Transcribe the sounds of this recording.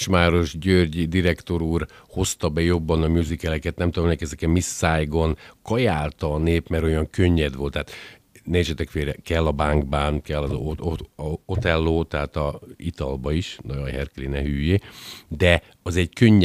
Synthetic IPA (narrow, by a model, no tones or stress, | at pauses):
ʃmaːɾo̞ʒɟørɟid̪iɾɛkt̪o̞ɾuːrho̞st̪ɒbɛjo̞bːɒnɒmjuːzikɛlɛkɛt̪nɛmt̪ud̪omnɛkɛzɛkɛmisːaːjɡo̞nkɒjaːlt̪ɒːneːpmɛɾo̞jɒŋkø̞ɲːɛd̪ʋo̞lt̪ːaːt̪ | neːt͡ʃɛt̪ɛkfeːɾɛkɛlːɒbaːŋɡbaːnkɛlːɒzo | ot̪ɛlːoːt̪ɛɦaːt̪ɒit̪ɒ̰lbɒiʃnojojhɛrkɛlinɛɦyːjeːd̪ɛ | ɒzɛɟkøɲː